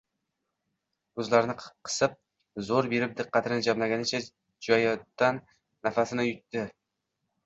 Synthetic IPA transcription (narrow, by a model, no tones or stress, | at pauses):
ɵzlaɾnɪqqʰɨ̥sɨp̚ | zoɾbe̞ɾɪp̚d̪ɨqːɑt̪ʰɪnɪd͡ʒamlaɡʲanɪt͡ʃʰa | d͡ʒɒjd̪̥anː | afasɪnajʊt̪ːɪ